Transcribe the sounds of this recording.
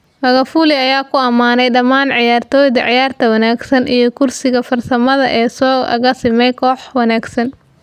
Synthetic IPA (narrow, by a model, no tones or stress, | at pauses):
mɐɣɐfuːlɪɐjaːkʰʊɐmaːnɛjɖɐmaːnʕɪjaːrt̪ʰɔːjðɐʕɪjaːrt̪ʰɐwɐnaːɡsɐnʔijɞkʰʊrsɪɣɐfɐrsɐmɐðɐʔɛːsɔːɐ̰ɣɐsɪmɛjkʰɔːħwɑnaːɡsɐn